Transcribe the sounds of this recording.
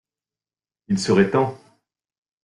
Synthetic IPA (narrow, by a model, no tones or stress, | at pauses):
ilsəʁɛt̪ɑ̃